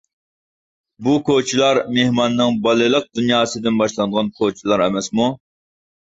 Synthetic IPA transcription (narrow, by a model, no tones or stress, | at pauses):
bukʰot͡ʃʰilˠɑɾmehmɑnːɨŋbɑlˠɨlˠəq̚d̪unjɑːsɨd̪ɪnbɑʃlˠɑnd̪əʁɑnkʰot͡ʃʰilˠɑɾɛmɛsmu